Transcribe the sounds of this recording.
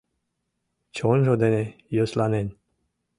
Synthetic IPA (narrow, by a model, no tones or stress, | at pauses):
t͡ɕonʒod̪enʲejoslɑnenʲ